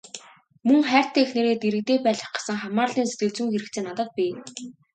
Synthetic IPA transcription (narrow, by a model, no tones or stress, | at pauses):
mɵŋχæːr̥ʲt̪ʰeːxneɾeːt̪iɾɘ̆k̚t̪eːpæːɮə̆χɢḁsə̆ŋχamaːrɮiːnse̥t̪̚ɡɘ̆ɮt͡sŭŋxeɾɘ̆kt͡sʰeːnat̪ə̆t̪̚pʲi